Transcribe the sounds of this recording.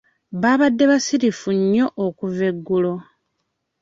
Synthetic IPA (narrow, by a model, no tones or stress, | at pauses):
βaːβadːe̞βasiɾifuɲːo̞ʔokuveɡːulo̞